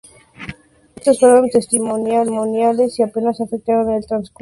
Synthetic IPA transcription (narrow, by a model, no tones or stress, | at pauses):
est̪osfaɾant̪est̪imonjamonjalesiapenasafek̚t̪aɾanelt̪ɾansk